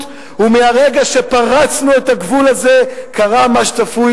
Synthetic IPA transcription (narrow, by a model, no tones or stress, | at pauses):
umeaʁe̞ɡaʃepaʁat͡snue̞t̪aɡvulaze̞kaʁamaʃtafuj